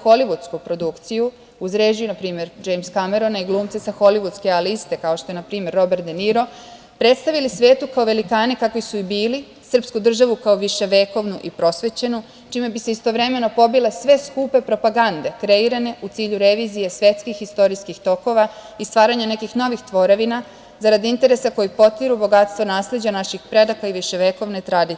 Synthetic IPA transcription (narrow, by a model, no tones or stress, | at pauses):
xo̞liʋut̪skupɾo̞d̪ukt̪siju | uzɾe̞ːd͡ʑujunapɾiːme̞ɾd͡ʒe̞jmskame̞ɾonaiɡlˠuːmt̪sesaxo̞liʋud̪ske̞alist̪e̞kao̞ʃt̪o̞enapɾiːmjeɾːo̞beɾt̪d̪eniɾo̞ | pɾe̞t̪st̪aʋilisʋe̞ːt̪ukao̞ʋe̞likaːnekakʋisuibiːli | sr̩pskud̪r̩ʒaʋukaoʋiʃe̞ʋe̞ːko̞ʋnuʔipɾo̞sʋe̞t͡ɕe̞nu | t͡ʃiːme̞biseist̪o̞ʋɾe̞me̞no̞po̞bile̞sʋe̞skuːpe̞pɾo̞paɡand̪e̞kɾe̞iɾane̞ut̪siːʎuɾe̞ʋizijesʋje̞t̪skixist̪o̞ɾijskixt̪o̞ko̞ʋa | ist̪ʋaːɾaɲane̞kixno̞ʋixt̪ʋo̞ɾeʋina | zaɾad̪iint̪e̞ɾe̞sako̞jipo̞t̪iɾubo̞ɡat̪st̪ʋo̞naːsle̞d͡ʑanaʃixpɾe̞d̪akaiʋiʃe̞ʋe̞ko̞ʋne̞t̪ɾad̪i